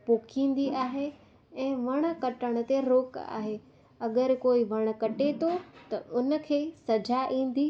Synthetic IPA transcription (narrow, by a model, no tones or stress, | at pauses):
poːkʰĩːn̆d̪iʔaːɦe | ɛ̃ːʋɐɽ̃ə̆kɐʈəɽ̃ʊ̆t̪eɾoːka̰ːɦe | ɐɡəɾkoːiʋɐɽ̃̆kɐʈet̪ʰot̪ɐʊnə̆kʰeːsɐd͡ʑaʔĩːn̆d̪iː